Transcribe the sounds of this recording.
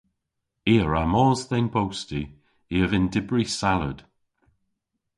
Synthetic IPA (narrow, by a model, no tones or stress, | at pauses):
iːəɹamɔːzðenbʰowsti | iəvɪndɪbɹisalə̰d̥